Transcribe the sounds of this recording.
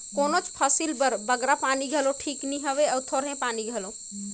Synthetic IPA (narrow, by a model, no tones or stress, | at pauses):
konot͡ʃpʰəsilbəɾbəɡɾapaniɡʱeloʈʰikniɦəβeəwt̪ʰoɾɦẽpaniɡʱelo